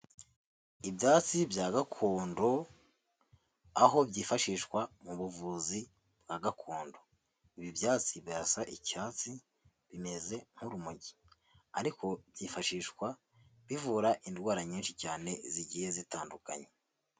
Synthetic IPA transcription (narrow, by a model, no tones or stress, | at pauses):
ibjaːt͡sibjaːɡakʰuːndo̞ | aɦo̞bjiːfaʃiːʃkwamuβuvuzi | b̚ɡaːɡakʰoːndo̞ | iβibjaːt͡sibiasaʔicaːt͡si | βime̞ze̞m̥uɾumuɟi | aɾiko̞bjiːfaʃiːʃkwa | βivuɾaʔindɡwaːɾaɲiːnʃicaːne̞ziɟije̞zitaːnduka̰ɲe